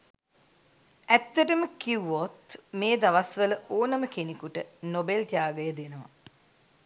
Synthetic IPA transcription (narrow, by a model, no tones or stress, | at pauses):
æt̪ːəʈəməkiwot̪meːd̪aʋasʋələʔoːnəməkenikuʈənobelt̪jaːɡəjəd̪enəʋa̰